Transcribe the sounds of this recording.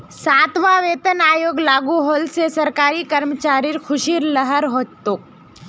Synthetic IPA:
saːt̪ʰʋaːʋeːt̪ənaːjoːɡlaːɡuɦoːlsesɐɾkaːɾikɐɾmət͡ʃaːɾiɾxʰʊʃiɾləɦəɾɦoːt͡ʃt̪uk̚

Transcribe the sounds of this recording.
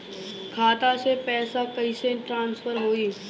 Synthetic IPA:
kʰaːt̪asepɛːsakɐiseʈɾãːnsfəɾɦoːiː

